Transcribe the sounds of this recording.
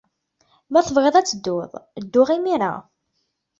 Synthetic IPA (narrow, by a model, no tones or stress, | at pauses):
mæθəvʁeðˤæt͡sːəd̪ːʊðˤd̪ːʊʁimiɾa̰